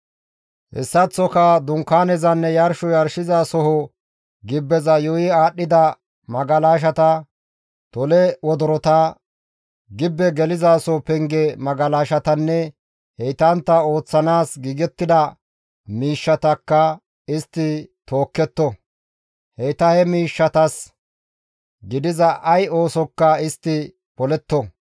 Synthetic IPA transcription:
ʔɛ̰sːɐt͡sːɔkɐd̪ʊŋkːaːnɛzɐnːɛjɐɾʃɔjɐɾʃɪzaːsɔɦɔ | ɡɪbːɛzɐjɔjɪaːɗːɪd̪ɐ | mɐɡɐlaːʃ̬ɐt̪ɐ | t̪ɔlɛwɔd̪ɔɾɔt̪ɐ | ɡɪbːɛɡɛlɪzaːsɔpɛŋɡɛmɐɡɐlaːʃɐt̪ɐnːɛ | hɛjt̪ɐnt̪ːɐo̞ːt͡sːɐnaːsɡiːɡɛt̪ːɪd̪ɐ | miːʃːɐt̪ɐkːɐ | ɪst̪ːɪt̪o̞ːkːɛt̪ːɔ | hɛjt̪ɐhɛmiːʃːɐt̪ɐs | ɡɪd̪ɪzɐʔɐjo̞ːsɔkːɐɪst̪ːɪ | pɔlɛt̪ːɔ

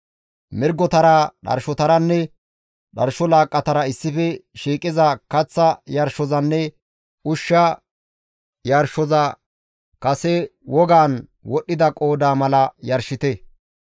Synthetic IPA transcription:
mɪɾɡɔt̪ɐɾɐɗɐ̰ɾʃɔt̪ɐɾɐnːɛ | ɗɐɾʃɔlaːkʼːɐt̪ɐɾɐɪsːɪfɛʃiːkʼɪzɐkɐt͡sːɐjɐɾʃɔzɐnːɛ | ʔʊʃːɐ | jɐɾʃɔzɐ | kɐsɛwɔɡaːnwɔɗːɪd̪ɐkʼo̞ːd̪aːmɐlɐjɐɾʃɪt̪ɛ

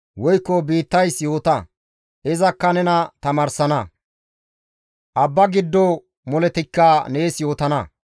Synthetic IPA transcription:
wɔjkːɔbiːt̪ːɐjsjo̞ːt̪ɐ | ʔɪzɐkːɐnɛnɐt̪ɐmɐːɾsɐnɐ | ʔɐbːɐɡɪd̪ːɔ | mɔlɛt̪ɪkːaneːsjo̞ːt̪ɐnɐ

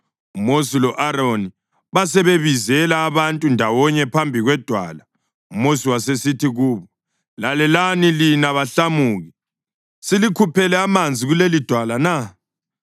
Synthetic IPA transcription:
umosilɔʔaɾoni | βasɛβeβizɛlaːβantʼundʱawɔɲɛpʰambʱiɣwɛd̥ʱwa̰ːla | umosiwasesitʰiɣuːβɔ | lalɛlanilinaβaɬamuːɣi | silikʰupʰɛlɛamand͡zʱiɣulelid̥ʱwalana

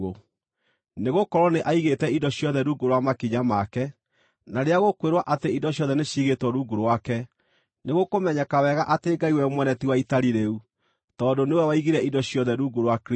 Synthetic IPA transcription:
o | neɣokɔɾɔneʔaiɣetɛidɔɕjɔðɛɾuːɡoɾwamakiɲamakɛ | naɾeaɣokweɾwaʔateidɔɕjɔðɛneɕiɣetwɔɾuːɡoɾwakɛ | neɣokomɛɲɛkawɛɣaʔateːɡaiwɛmwɛnɛtiwaitaɾiɾeu | tɔːdoneowɛwaiɣiɾɛidɔɕjɔðɛɾuɡoɾwak

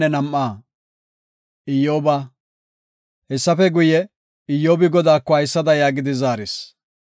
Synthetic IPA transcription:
ɛnɐmʔːaː | ɪjːoːbɐ | hɛsːɐfɛɡʊjɛ | ɪjːoːbɪɡɔd̪aːkːɔɐjsːɐd̪ɐjaːɡɪd̪ɪzaːɾɪs

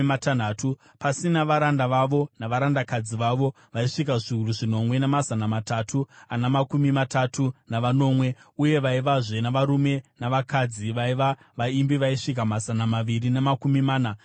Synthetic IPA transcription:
matan̤aːtu | pasinaʋaɾandaʋaʋo̞naʋaɾandakad͡ziʋaʋo̞ | ʋaiʂikaʐiuruʐino̞mwe̞nemazanamatatʰuanamakumimatatʰunaʋano̞ːmwe̞uje̞ʋaiʋaʐe̞naʋaɾume̞naʋakad͡ziʋaiʋa | ʋaimbiʋaiʂik̬amazanamaʋirinemakumimaːna

